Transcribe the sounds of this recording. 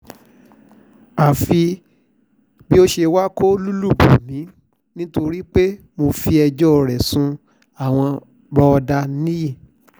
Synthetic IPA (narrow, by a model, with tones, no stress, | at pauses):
a˨fi˧ | bi˦o˦ʃe˧wa˦ko˦lu˦lu˦˨bu˨mĩ˨˦ | nĩ˦to˧ɾi˦k͡pe˦ | mo˧fi˧ɛ˧d͡ʒɔ˦ɔ˧ɾɛ˨sũ˧ | a˨w̃ɔ̃˧ | bɔ˧ɔ˧da˧nĩ˦ji˦˨